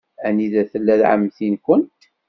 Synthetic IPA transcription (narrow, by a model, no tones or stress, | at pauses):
æniðæθəlːæðʕə̰mːθinkʷənt̪